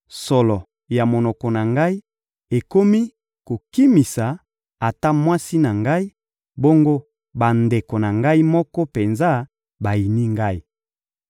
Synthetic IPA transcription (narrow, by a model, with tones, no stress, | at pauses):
sɔ˨lɔ˨ | ja˨mo˨nɔ˨kɔ˨na˨ŋɡa˦i˦ | e˨ko˦mi˦ | ko˨ki˦mi˨sa˨ | a˨ta˦mwa˦si˦na˨ŋɡa˦i˦ | bo˦ŋɡo˦ | ba˨nde˨ko˨na˨ŋɡa˦i˦mɔ˦kɔ˦pe˨nza˦ | ba˨i˨ni˦ŋɡa˦i˦